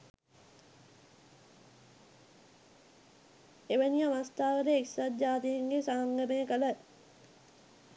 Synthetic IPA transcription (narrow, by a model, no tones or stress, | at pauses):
eʋəniaʋast̪aːʋəɾeːksat̪̚d͡ʒaːt̪ijeŋɡesaɦaŋɡəmeəkələ